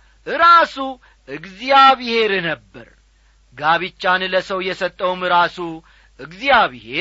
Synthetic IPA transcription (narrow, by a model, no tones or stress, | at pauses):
ʔɨɾasu | ʔɨɡzijaβihe̞ɾnəbːə̰ɾ | ɡaβit͡ʃːanləsəwjɛsət̪ʼːəwmɨɾasu | ʔɨɡzijaβihe